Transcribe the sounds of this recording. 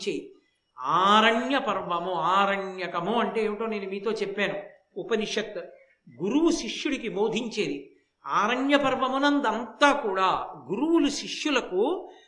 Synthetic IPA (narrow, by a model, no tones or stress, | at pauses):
t͡ʃeːji | aːɾɐɳjɐpɐɾʋɐmuaːɾɐɳjɐkɐmuɐɳʈe̞ːeːʋiʈoːneːnumiːt̪o̞ːt͡ʃepːaːnu | upɐniʂɐt̪ | ɡuɾuwuʃiʂjuɽikimoːd̪ʱiɲt͡ʃeːd̪i | aːɾɐɳjɐpɐɾʋɐmunɐnd̪ɐnt̪aːkuːɽaːɡuɾuwuluʃiʂjulɐku